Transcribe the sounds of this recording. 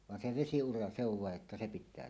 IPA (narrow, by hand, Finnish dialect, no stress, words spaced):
ʋɑn se ʋesiurɑ se oʋ ʋɑˑeʔ ʔetːæ se pitˑæː